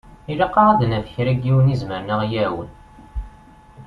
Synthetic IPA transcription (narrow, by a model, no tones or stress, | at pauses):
ilɑqːɑɾˤɑd̪nævəçɾæɡiwənizməɾnəʁjæwən